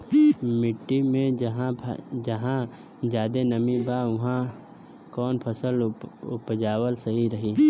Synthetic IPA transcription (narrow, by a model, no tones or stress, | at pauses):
mɪʈːimẽɦd͡ʒɐɦã | d͡ʒjaːd̪enəmĩbaʋʊɦã | kɔːnpʰəsəlʊpd͡ʒaːwəlsɐɦiɾɐɦiː